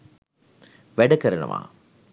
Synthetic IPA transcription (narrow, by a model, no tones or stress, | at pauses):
ʋɛɽɐkɐɾɐɳɐ̰ma̰ː